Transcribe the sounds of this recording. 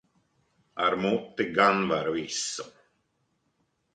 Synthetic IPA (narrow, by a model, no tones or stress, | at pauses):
aɾmut̪ːɪɡanvaɾisːɔ